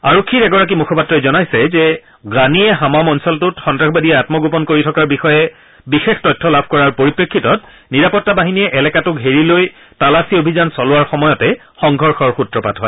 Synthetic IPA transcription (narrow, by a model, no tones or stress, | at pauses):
aɹokʰːitɛɡɔɹak̬imukʰɔpatːɹɔɛzɔnajsɛzɛ | ɡaniɛɦamamɔnsɔltʊtxɔntɹaxbadiɛatmɔɡopɔnkoɹitʰɔkaɹbixɔjɛ | bixextɔjtʰːɔlabʱkɔɹaɹpoɹipɹekʰːitɔt̚ | niɹapɔtːabaɦiniɛʔɛlɛkatʊkɦeɹiloj | talasiobʱizansɔlʊwaɹxɔmɔjɔtɛ | xɔŋɡʱɔɹxɔɹxutɹɔpatɦɔj